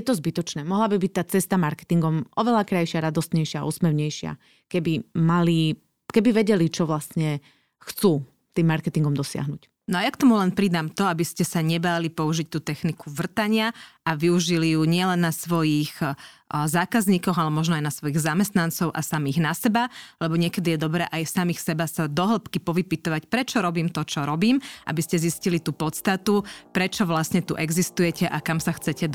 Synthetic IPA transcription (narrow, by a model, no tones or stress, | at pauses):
jɛt̪ɔzbit̪ɔt͡ʃnɛːmɔɦlabibic̚t̪aːt͡sɛst̪amaɾkɛ̥t̪iŋɡɔmʔɔʋɛlakɾajʃɪaɾad̪ɔst̪ɲɛjʃɪa̰ʔṵːsmɛʋɲɛjʃɪa̰ | kɛbimali | kɛbiʋɛɟɛlit͡ʃɔʋlast̪ɲɛ | xt͡suː | t̪iːmːaɾkɛt̪iŋɡɔmd̪ɔsɪa̰ɦnuc | nɔajakt̪ɔmulɛnpɾid̪amt̪ɔabiscɛsaɲɛbaːlipɔuʒic̚t̪uːt̪ɛxnikʰuʋr̩t̪aɲɪaaʋiuʒilijuɲɪɛlɛnːasʋɔjix | zaːkazɲiːkɔɣalɛmɔʒnɔajnasʋɔjiːɣzamɛst̪nant͡sɔʊʔa̰samiːɣnasɛbalɛbɔɲɪɛkɛd̪ijɛd̪ɔbɾɛːʔajsamiːxsɛbasad̪ɔɦl̩pkipɔʋipit̪ɔʋacpɾɛt͡ʃɔɾɔbiːmt̪ɔt͡ʃɔɾɔbiːmʔa̰biscɛziscilit̪uːpɔt̪st̪at̪upɾɛt͡ʃɔʋlasɲɛt̪ṵʔɛɡzist̪ujɛcɛʔakamsaxt͡sɛcɛd̪